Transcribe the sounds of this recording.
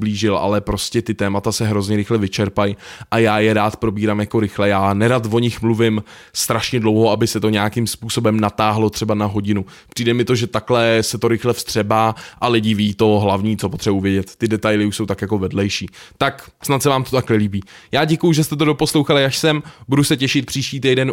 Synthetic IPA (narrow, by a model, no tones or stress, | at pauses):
bliːʒɪlʔa̰lɛpɾo̞scɛt̪ɪt̪ɛːmat̪asɛɦɾo̞zɲɛɾɪxlɛvɪt͡ʃɛɾpajʔajaːjɛɾaːt̪pɾo̞biːɾaːmjako̞ɾɪxlɛjaːnɛɾat̪vo̞ɲɪxmluvɪm | st̪ɾaʃɲɛdlowɦo̞abɪsɛt̪o̞ɲɛjakimspuːso̞bɛmnat̪aːɦlo̞t̪r̥ɛbanaɦo̞ɟɪnu | pr̥iːdɛmɪt̪o̞ʒɛt̪aklɛsɛt̪o̞ɾɪxlɛfst̪r̝̥ɛbaːʔalɪɟɪviiːt̪o̞ɦlavɲiːtt͡so̞pot̪r̥ɛbuvjɛɟɛt̪ːɪdɛt̪ajlɪuʃso̞wt̪akjako̞vɛdlɛjʃiːt̪aksnat̪sɛvaːmt̪ot̪aknɛliːbiːjaːɟɛkujuʒɛst̪ɛt̪̬o̞do̞po̞slowxalɪjaʃsɛmbudusɛcɛʃɪt̪̚pr̥iːʃciːt̪̬ɛjdɛn